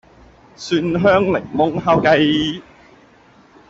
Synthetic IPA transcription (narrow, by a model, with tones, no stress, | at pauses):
syː˧nɦœː˥ŋlɪ̰˨˩ŋmʊ˥ŋɦaː˧˥wkɐ˧j